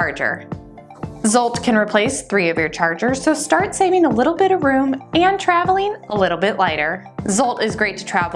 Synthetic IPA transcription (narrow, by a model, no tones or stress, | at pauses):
ɑɹd͡ʒə̰˞ | zɔlˠt̚kʰɨ̃nɹipʰl̥eɪsθɹiʌvjə˞t͡ʃʰɑɹd͡ʒə˞z̥soʊstɑɹtseɪvɪ̃ŋəlɪɾl̩ˠbɪɾʌvɹʉ̃mɨ̃ntʰɹ̥ævl̩ˠɪ̃ŋəlɪɾl̩ˠbɪʔlaɪɾə˞zʌlˠtɨzɡɹeɪtʰɨ̥tʰɹ̥æv